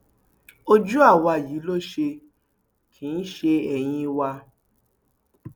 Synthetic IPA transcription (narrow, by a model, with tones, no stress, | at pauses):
o˧d͡ʒu˦a˦˨wa˧˨jiː˨˦lo˦ʃe˧ | kʰi˨˦n̩˦ʃe˧ɛ˧j̃ĩ˧wa˧